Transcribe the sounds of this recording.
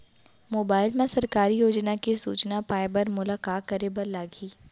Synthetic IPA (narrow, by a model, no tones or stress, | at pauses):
moːbaːɪlmẽsɐɾkaːɾijoːd͡ʒnakisṵːt͡ʃnapaːɪbəɾmʊlakaːkəɾebɐɾlaːɡiː